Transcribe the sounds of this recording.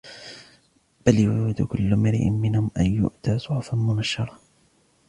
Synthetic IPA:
b̥aljʊːɪd̪ʊkʊlːʊmɪɾɪ̰ʔɪ̰nmɪnhʊmʔanjʊ̰ʔt̪aːsˤʊʕfanmʊnaʃɑɾˤɑ

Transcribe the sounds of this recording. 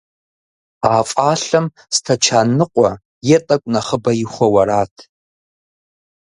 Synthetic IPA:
aːfʼaːɬɐm | stʰat͡ʃʰaːnɨqʷʼa | jɛtʼɐkʷʼnaχəbɐjiχʷɔwɐɾaːtʰ

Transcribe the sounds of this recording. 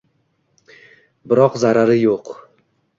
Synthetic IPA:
bɪɾɒqzaɾaɾɪjoq

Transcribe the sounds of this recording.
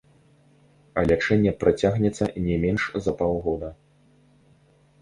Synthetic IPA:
ɐlʲat͡ʂɛnʲːɛpɾat͡sʲaɣnʲɛt̪sːɐ̰nʲɛmʲɛnʂzɐpawˠɣɔd̪ɐ

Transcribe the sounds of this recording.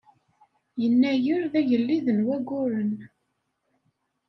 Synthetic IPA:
jənːæjʊɾðæʝəlːiðənwæɡʊɾən

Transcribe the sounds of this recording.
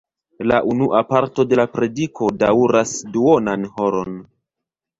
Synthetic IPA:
laʔunuʔapaɾto̞de̞lapɾe̞dikʰo̞dauɾasduonanho̞ɾo̞n

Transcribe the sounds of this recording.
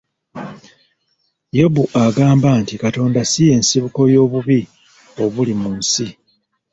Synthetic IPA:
jo̞buʔaɡaːmbantikato̞ːndasije̞ːnsiβuko̞jo̞ːβuβi | o̞βulimunsi

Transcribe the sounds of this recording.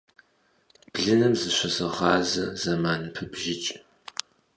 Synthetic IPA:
b̥ɮɨnɨmzɨɕʷɐsɐʁɑːzɐzɐmaːnɨpʰɨbʒɪt͡ʃʼ

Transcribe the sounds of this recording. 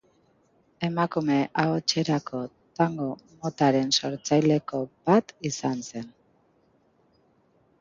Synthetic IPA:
e̞makume̞ʔaot͡ʃe̞ɾakʰo̞ | t̪aŋɡomo̞t̪aɾe̞nso̞ɾt͡sajle̞ko̞bat̪isanse̞n

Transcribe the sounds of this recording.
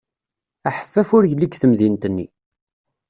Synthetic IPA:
æħə̥fːæfʊɾjəlːikθəmðint̪ənːi

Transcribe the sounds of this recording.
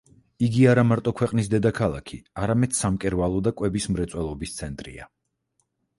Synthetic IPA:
iɡiaɾamaɾt̪ʼɔkʰwɛqʼnisd̪ɛd̪akʰalˠa̰kʰiaɾamɛd̪̥samkʼɛɾvalˠɔd̪akʼwɛbismɾɛt̪sʼwɛlˠɔbist̪sʰɛnt̪ʼɾḭa̰

